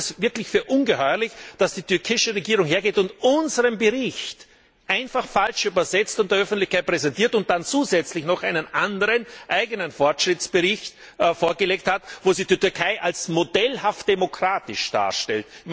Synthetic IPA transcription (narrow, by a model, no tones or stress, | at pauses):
svɪɐklɪçfyːɐʔʊnɡəhɔʏɐlɪçd̥asd̥iːtʰʏɐkʰɪʃəʁeɡiːʁʊŋheːɐɡeːtʊntʊnzəʁəmbəʁɪçt | ʔaɪnfaχfalʃyːbɐzɛt͡stʊnt̚d̥ːɐœfn̩tlɪçkʰaɪt̚pʁ̥ɛzɛntiːɐtʊnt̚d̥ant͡suːzɛt͡slɪçnɔχaɪnənʔandəʁənʔaɪɡənənfɔɐtʃʁ̥ɪt͡sb̥əʁɪçt | foːɐɡəleːk̚thatvoːziːdiɐtyɐkʰaɪʔalsmodɛlhaft̚d̥emokʁ̥aːtɪʃd̥a̰ːɐʃtɛ̰ltm